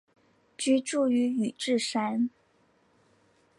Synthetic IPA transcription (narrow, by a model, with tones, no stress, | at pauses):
t͡ɕy˥ʈ͡ʂu˥˩y˧˥y˨˩ʈ͡ʂɻ̩˥˩ʂa˥n